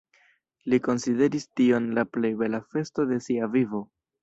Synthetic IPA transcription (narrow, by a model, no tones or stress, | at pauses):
liko̞nside̞ɾistio̞nlaple̞jbe̞lafe̞sto̞de̞siavivo